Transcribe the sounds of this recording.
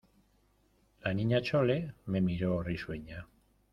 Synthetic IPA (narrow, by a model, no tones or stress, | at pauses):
laniɲat͡ʃolememiɾoːrisueɲa